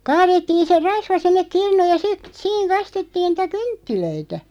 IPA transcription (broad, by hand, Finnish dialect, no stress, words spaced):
kɑːretːiːn̞ se rɑsʋɑ sinːek kirnuːj jɑ sit siːŋ kɑstetːiːn nĭtæ kyntːiløitæ